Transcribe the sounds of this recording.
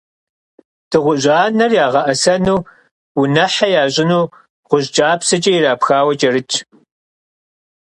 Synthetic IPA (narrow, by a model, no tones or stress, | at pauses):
d̥ɨʁʷʊʑaːnɐrjaːʁɐʔɐsɐnuː | ʊnɐħajaːɕʼɪnuː | ʁʷʊʑd͡ʒʼaːpsɐt͡ʃʼɐjɪraːpxaːwɐt͡ʃʼɐrɨt͡ʃʼʰ